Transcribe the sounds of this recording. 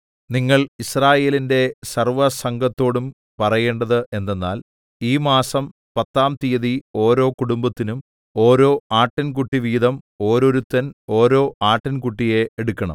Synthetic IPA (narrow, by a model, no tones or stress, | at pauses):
niŋːɐɭisraːje̞ːlinde̞sɐrʋɐsɐŋɡɐt̪ːo̞ːɽum | pɐrɐje̞ːɳɖɐðɨʔe̞nːe̞nːaːl | iːmaːsɐm | pɐt̪ːaːmt̪ijɐðio̞ːɾo̞ːkuɽumbɐt̪ːinum | o̞ːɾo̞ːaːʈːɐnkuʈːiʋiːd̪ɐm | o̞ːɾoɾut̪ːɐno̞ːɾo̞ːʔaːʈːɐnkuʈːije̞eɽukʲːɐɳɐ̰m